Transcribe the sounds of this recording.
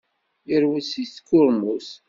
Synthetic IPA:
jəɾwəsiθkːʊɾmus

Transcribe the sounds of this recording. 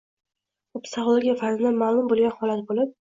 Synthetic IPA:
ʊpsaχlˠoɡʲijafaɾzɪd̪anmalˠʊmbolˠɡʲanhɒlat̪bolɪp̚

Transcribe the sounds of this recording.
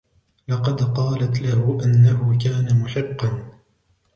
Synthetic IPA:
lɑqɑd̪qɑːlat̪lahʊʔanːahʊkaːnamʊħɪqːɑn

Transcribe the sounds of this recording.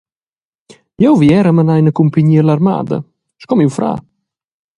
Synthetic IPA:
jɛwviɛɾəmənajnəkumpəɲiːalaɾma̰ːd̪ə̰ | ʃkɔmiwfɾa̰ː

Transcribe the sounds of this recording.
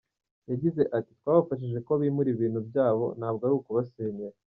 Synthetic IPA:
jaɟize̞ʔati̥t̪waːβafaʃ̬iʒe̞koβimuɾiβiːnhubjaːβo̞̰nhaːb̚ɡaɾuːkuβaseɲeɾa

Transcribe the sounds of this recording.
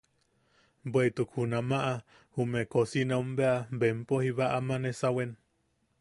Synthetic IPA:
bweit̪ukhunamaʔa | humekosineumbeabempohiβaʔamanesawen

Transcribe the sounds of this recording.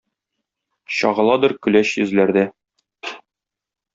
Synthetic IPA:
ɕɒ̰ʁɤ̆lˠɑd̪ɤɾkɵ̆læɕjɵ̆zlæɾd̪æ

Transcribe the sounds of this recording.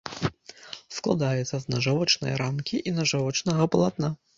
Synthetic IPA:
sklˠa̰d̪ajɛt̪sːɐznɐʐavɔt͡ʂnɨ̰jɐ̰ɾamkʲiʔinɐʐavɔt͡ʂnɐɣɐplˠat̪̚na

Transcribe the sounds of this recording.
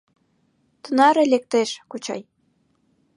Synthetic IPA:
t̪ə̆nɑɾelek̚t̪eʃkot͡ɕɑ̰j

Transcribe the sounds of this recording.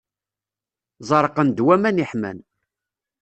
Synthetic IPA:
zˤɑɾˤəqənd̪wæmæniħmæ̰n

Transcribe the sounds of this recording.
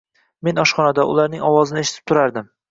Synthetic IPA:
me̞nɒʃχɒnad̪aʔʊ̰laɾnɪŋɒwɒzɪnɪeʃɪt̪ʰɪ̥p̚t̪ʰʊɾaɾd̪ɪm

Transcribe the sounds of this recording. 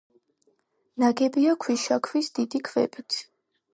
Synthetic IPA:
naɡɛbiakʰwiʃakʰwisd̪id̪ikʰvɛ̰pʼit̪ʰ

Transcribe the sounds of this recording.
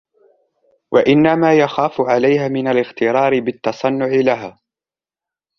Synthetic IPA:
wʔaʔɪnːamaːjaxaːfʕalajhaːmɪnalɪxt̪ɪɾɑːɾɪbɪt̪ːɑsˤɑnːʊʕɪlaɦaː

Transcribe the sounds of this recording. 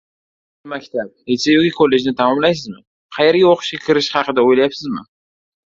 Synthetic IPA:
makʲt̪ʰap̚esejokʲɪkʰolːe̞d͡ʒnɪt̪ʰamɒmlajs̬ɪzmɪ | qʰɑjeɾɡʲaoqʰʊ̥ʃkʲakʲʰɪɾɪʃhɑqɨd̪aojlajapsɪzmɪ̰

